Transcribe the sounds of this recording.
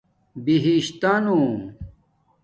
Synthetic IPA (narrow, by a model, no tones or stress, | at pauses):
biɦiɕt̪aːnu